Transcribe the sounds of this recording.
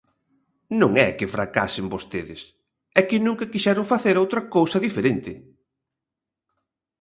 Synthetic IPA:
nõŋɛkɪfɾaka̰sɪmbost̪eðɪ̰s | ɛkɪnũŋkɐkiʃɛɾʊŋfaθeɾowt̪ɾɐkowsɐðifeɾent̪ɪ

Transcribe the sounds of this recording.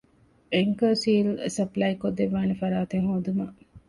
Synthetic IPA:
ʔeŋkɐsiːlsɐplɐjkod̪ːeʋːaːnefɐɾaːt̪eŋhoːd̪umɐʔ

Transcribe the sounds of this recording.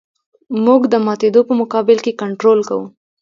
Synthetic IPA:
muɡd̪əmɑt̪ed̪opəmʊkɑbɪlkekaɳʈɾolka̰wu

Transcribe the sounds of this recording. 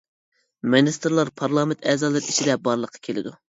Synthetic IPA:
mɪnist̪ɾlˠɑɾpʰɑɾlˠɑːmɪnt̪ʰɛːzɑlˠɨɾiʃid̪ɛbɑɾlˠəqʰːɑ̥kʲʰelɪ̰d̪u

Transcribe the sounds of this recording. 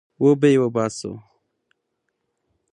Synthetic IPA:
wobejwobaːso̰

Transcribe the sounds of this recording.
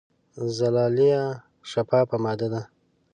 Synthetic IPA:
zalɑːlija | ʃapɑpəmɑd̪ad̪a

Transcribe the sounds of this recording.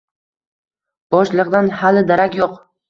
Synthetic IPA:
b̥ɒʃlˠɨqd̪anhalɪd̪aɾakʲjoq

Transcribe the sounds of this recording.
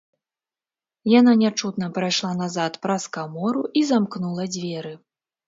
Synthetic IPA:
jan̪anʲat͡ʂut̪nɐpɾajʂlˠanazat̪pɾɐskamɔɾuʔizamknulˠɐd͡zʲvʲɛɾɨ

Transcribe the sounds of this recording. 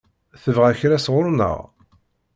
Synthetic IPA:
θəvʁæçɾæsʁʊɾnə̰ʁ

